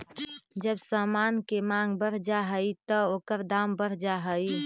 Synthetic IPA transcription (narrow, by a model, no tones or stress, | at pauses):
d͡ʒəbsəmankemaŋɡbəɾ̤d͡ʒaɦəjt̪əokəɾd̪ambəɾ̤d͡ʒaɦəj